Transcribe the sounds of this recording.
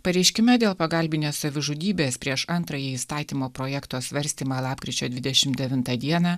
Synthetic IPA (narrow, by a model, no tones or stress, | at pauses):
pɐɾʲɛɪʃʲkʲɪmʲɛd̪ʲeːlˠpɐɡɐlʲbʲɪnʲeːsɐʋʲɪʒʊd̪ʲiːbʲeːspʲɾʲiɛʃɐnt̪ɾɐjɛiːst̪ɑːt̪ʲiːmoːpɾoːjɛkt̪oːsʲʋʲɐɾʲsʲt̪ʲiːmɑːlˠɑːpʲkʲɾʲɪt͡ʃʲoːd̪ʲʋʲɪd̪ʲɛʃʲɪmd̪ʲɛʋʲɪnt̪ɑd̪ʲiɛnɑː